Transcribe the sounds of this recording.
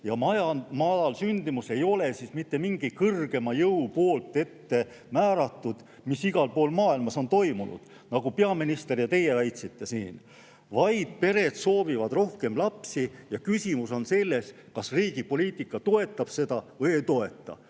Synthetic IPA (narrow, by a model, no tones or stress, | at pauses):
jɑmɑjɑmɑdɑlsynd̪̥imuse̞jo̞le̞sismit̪ːe̞miŋɡ̥ikɤrɡ̥e̞mɑjɤupo̞ːlt̪ːˑe̞t̪ːe̞ | mæːɾɑt̪ːˑud̪̥ | misiɡ̥ɑlpo̞ːlmɑːilmɑso̞nt̪o̞jmunṵd̪̥ | nɑɡ̥upe̞ɑminist̪e̞rjɑt̪e̞je̞væjt̪sit̪ːˑe̞sḭːn | vɑjd̪̥̚pe̞ɾe̞d̪so̞ːvivɑd̪ro̞hke̞mlɑpsijɑkysʲimuso̞nse̞lːe̞s | kɑsriːɡ̥ipo̞lʲiːt̪ːˑikːˑɑt̪o̞e̞t̪ːˑɑb̥se̞d̪̥ɑvɤjejt̪o̞e̞t̪ˑːɑ̰